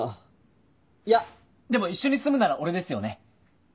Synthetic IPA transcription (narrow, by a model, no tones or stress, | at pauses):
ja | d̪e̞mo̞iɕːo̞ɲ̟isɨmɯ̟naɾaʔo̞ɾe̞d̪e̞sɨjone̞